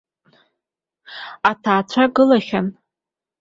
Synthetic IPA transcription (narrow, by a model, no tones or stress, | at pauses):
atʰaːt͡ɕʷʰaɡɨlaχʲan